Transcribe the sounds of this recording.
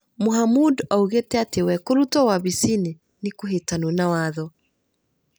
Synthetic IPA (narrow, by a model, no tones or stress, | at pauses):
moɦamudauɣetɛatewɛkoɾutɔwaβisine | nikoɦetanunawaðɔ